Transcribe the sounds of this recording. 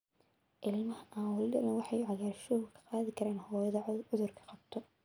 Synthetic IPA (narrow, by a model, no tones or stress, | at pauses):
ʔɪlmɐhɐʔawɑlɪlɐnɐwɑħɑjʕɑɣaːrʃɔːɣkʰɐ̥qɑːðɪkʰɐɾaːnhɔːjɐðɐʊðʊrkʰɐ̥qɑbt̪ʰɔ